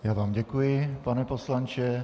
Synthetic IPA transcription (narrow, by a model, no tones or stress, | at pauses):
jaːvaːmɟɛkujɪpanɛposlant͡ʃɛ